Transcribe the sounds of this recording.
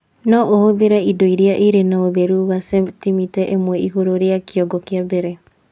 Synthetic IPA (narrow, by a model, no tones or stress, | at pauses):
nɔʔohoðeɾɛidoiɾeaʔeɾenaoðeɾuwasetimitɛʔemwɛʔiɣoɾoɾeakeɔɡɔkeabeɾe